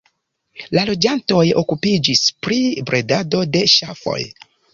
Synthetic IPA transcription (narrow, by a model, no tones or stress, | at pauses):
lalo̞d͡ʒanto̞jo̞̰kupid͡ʒispɾibɾʔe̞dado̞de̞ʃafo̞̰j